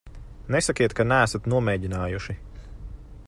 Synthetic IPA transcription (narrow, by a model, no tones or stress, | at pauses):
nesakʲiɛt̪kanæːsat̪nuɔmɛːɟʲinaːjuʃi